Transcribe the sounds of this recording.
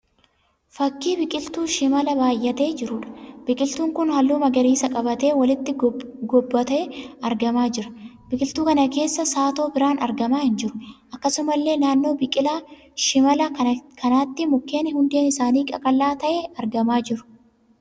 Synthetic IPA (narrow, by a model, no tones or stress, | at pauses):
fɐkːiːbɪkʼɪlt̪uːʃɪmɐlɐbaːjʔːɐt̪e̞ːd͡ʒɪɾʊᶑɐ̥b̥ɪkʼɪlt̪uːŋkʊnhɐlːuːmɐɡɐɾiːsɐkʼɐbɐt̪e̞ːwɐlɪt̪ːɪɡɔbːɐt̪ɐɛɐɾɡɐmaːd͡ʒɪɾɐ̥bɪkʼɪlt̪uːkɐnɐke̞ːsːɐsaːt̪o̞ːbɪɾaːnɐɾɡɐmaːhɪnd͡ʒɪɾʊ̥ʔɐkːɐsʊmɐlːe̞ːnaːnːoːbɪkʼɪlaː | ʃɪmɐlɐkʰɐnaːt̪ːɪmʊkːe̞ːnɪhʊnd̪e̞ːnɪsaːniːkʼɐkʼɐlːaːt̪ɐʔeɐɾɡɐmaːd͡ʒɪɾʊ̥